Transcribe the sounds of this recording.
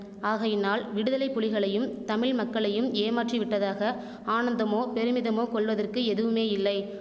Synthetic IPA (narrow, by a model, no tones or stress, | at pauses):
aːɣɐjɪnːaːlʋɪɽɯðɐlɐɪpːʊlɪɣɐɭɐjɯmt̪ɐmɪɭmɐkːɐɭɐjɯmeːmaːʈriʋɪʈːɐðaːɣɐ | aːnɐnd̪ɐmoːpɛɾɯmɪðɐmoːkɔɭʋɐðɐrkɯɛðɯʋɯmeːɪlːɐɪ